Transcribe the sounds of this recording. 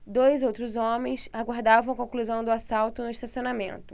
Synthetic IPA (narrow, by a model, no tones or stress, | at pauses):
d̪ojzowt̪ɾʊzõmẽj̃saɡwaɾd̪avɐ̃w̃kõkluzɐ̃w̃d̪ʊasawt̪ʊnʊiʃt̪asionamẽnt̪ʊ̥